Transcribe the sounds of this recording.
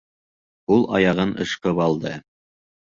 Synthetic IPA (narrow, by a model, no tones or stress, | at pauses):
ulˠɑ̰jɑʁɤnɤ̰̆ʃqɤpɑlˠd̪ɤ